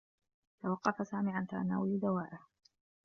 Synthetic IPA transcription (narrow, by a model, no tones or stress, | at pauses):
t̪awɑqːɑfasaːmiːʕant̪aɾˤana̰ːwaliːd̪awaːʔɪh